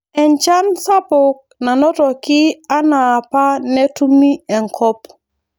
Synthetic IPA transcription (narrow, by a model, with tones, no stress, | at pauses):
ɛ˨nt͡ʃa˦nsa˦pʊ˨k̚na˨nɔ˦tɔ˨kɪ˦a˦naː˨pa˦nɛ˦tu˦mi˦ɛ˨ŋkʰɔ˦p